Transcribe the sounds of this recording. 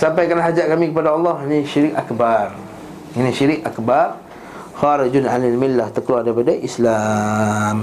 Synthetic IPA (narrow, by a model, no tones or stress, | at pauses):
sampajkanɦad͡ʒaʔ̚kamĩkəpadaɑlːɑhniʃiɾikakbar | iniʃiɾikʔakbar | xaɾad͡ʒʊnʕalalmilːaht̪əkəlwadajp̬adaʔisla | m